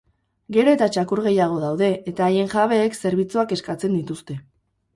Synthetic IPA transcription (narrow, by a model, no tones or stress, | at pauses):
ɡe̞ɾo̞e̞t̪at͡ʃakuɾɣ̞e̞jaɣ̞o̞ðawðe̞ːt̪aːje̞ŋʝaβ̞e̞ːkse̞ɾβ̞it͡suake̞skat͡se̞nd̪it̪ust̪e̞